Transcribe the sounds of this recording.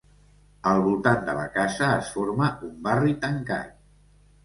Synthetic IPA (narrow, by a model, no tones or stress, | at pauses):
əlˠβulˠt̪and̪ələ̰kazəːsforməumbarit̪əŋka̰j̪